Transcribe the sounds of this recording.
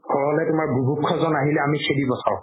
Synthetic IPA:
ɡʰʱɔɹɔlɛtʊmaɹbʱubʱukʰːɔzɔnaɦilɛamikʰebibɔsʰa̰ʊ̃

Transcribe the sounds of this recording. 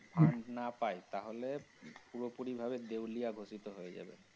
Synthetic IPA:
bʰʱaɳɖnapajt̪aɦolepuɾopuɾibʱabed̪ewlijaɡʱosit̪oɦojed͡ʑa̰bḛ

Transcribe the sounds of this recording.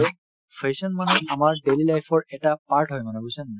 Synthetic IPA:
pʰesɔnmanɛamaɹdelilajpʰɔɹɛtapaɹʈʰɦɔjmanɛɡujsɔn

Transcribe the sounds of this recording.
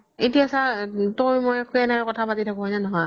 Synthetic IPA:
etiasatojmɔjkʰuɛnakɔtʰapatitʰakʊ̃ɦɔjnanɔɦɔj

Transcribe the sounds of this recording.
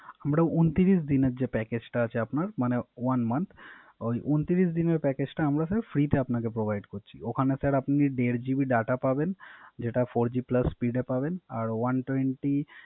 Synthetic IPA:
amɾaʔunt̪iɾisd̪ineɾd͡ʑepɛked͡ʑʈaat͡ɕʰeapnaɾmanewanmant̪ʰ | ojʔunt̪iɾisd̪ineɾpɛked͡ʑʈaamɾasɛɾfɾit̪eapnakepɾobʱajɖkoɾt͡ɕʰiokʰanesɛɾapniɖeɾd͡ʑibiɖaʈapabend͡ʑeʈafoɾd͡ʑiplɐsːpiɖepabenaɾwanʈweɳʈi

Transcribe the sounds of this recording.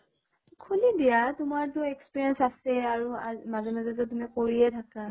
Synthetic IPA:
kʰulidijatʊmaɹtʊekspiɹiɛnsasɛaɹuamazɛmazɛzɔtumikoɹiɛtʰaka

